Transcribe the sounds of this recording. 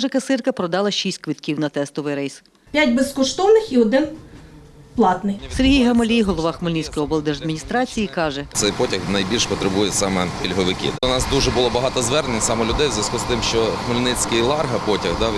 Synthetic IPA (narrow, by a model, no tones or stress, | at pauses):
ʒɛkɐsɪrkɐpɾɔd̪ɑlˠɐʃisʲtʲkʋɪt̪kʲiwnɐt̪ɛst̪ɔʋɪjɾɛjs | pʲjatʲbeskɔʃt̪ɔwnɪxiɔd̪ɪn | plˠɑt̪nɪjseɾɦʲijɦɐmɔlʲijɦɔlˠɔʋɑxmɪlʲnit͡sʲkɔjɔbɐlˠd̪eʒɐd̪mʲinʲist̪ɾɑt͡sʲijikɑʒɛt̪sɛjpɔtʲɐxnɐjbʲilʲʃpɔt̪ɾebujɛsɑmɛkʲilʲɦɔʋɪkʲɪ̰ɔnɑsd̪uʒɛbʊlˠɔbɐɦɑt̪ɔzʋɛrnenʲsɑmɔlʲʊd̪ɛjwzʲjʲɐskust̪ɪmʃt͡ʃɔxmelʲnɪt͡sʲkɪlˠɑrɦɐpɔtʲɐɣd̪ɑ